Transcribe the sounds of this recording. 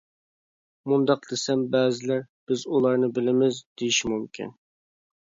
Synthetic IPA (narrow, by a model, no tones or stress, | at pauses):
mund̪ɑqd̪esɛmbɛːzɪlæɾb̥ɪzulˠɑɾnɨbɪlɪmɪzd̪ejiʃimumkʲʰḭn